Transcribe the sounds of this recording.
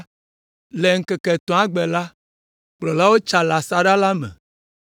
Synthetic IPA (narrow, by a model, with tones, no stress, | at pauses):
le˨ŋ̩˨kɛ˨kɛ˨t̪ɔ̃˨˦a˦ɡ͡bɛ˨la˦ | k͡plɔ˨la˦wo˦t͡ʃa˨la˨sa˦ɖa˦la˦mɛ̰̃˨